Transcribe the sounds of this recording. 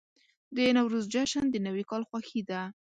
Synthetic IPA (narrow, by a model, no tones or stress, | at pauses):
d̪əenawɾozd͡ʒaʃənd̪ənawikɑlxwaxid̪a